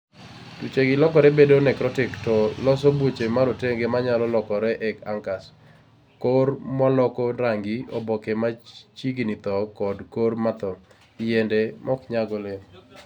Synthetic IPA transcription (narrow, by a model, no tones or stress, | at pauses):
tut͡ʃeɡɪlɔkɔɾɛbedonɛkɾɔtɪktɔlɔs̬obwot͡ʃemaɾoteŋɡemaɲalɔlɔkɔɾɛʔɛkaŋkas | koɾmɔlɔkɔɾaŋɡiɔbɔkemat͡ʃiɡnit̪ɔkɔdkormat̪ɔ | jendemʔɔkɲaɡɔleŋ